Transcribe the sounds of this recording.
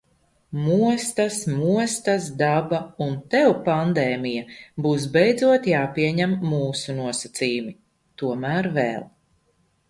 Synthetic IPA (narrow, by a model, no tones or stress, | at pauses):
muɔst̪asmuɔst̪asd̪abaunt̪ɛwpand̪ɛːmijabuːs̬bɛjd̪zuɔt̪jaːpiɛɲæmːuːsunuɔsat̪siːjumi | t̪uɔmæːɾvɛ̰ːlˠ